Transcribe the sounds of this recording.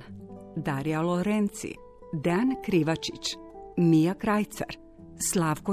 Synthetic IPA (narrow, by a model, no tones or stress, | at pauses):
d̪aɾialoɾent̪sḭ | d̪eankɾiʋat͡ʃit͡ʃ | mijakɾajt̪sa̰ɾ | slˠaːʋko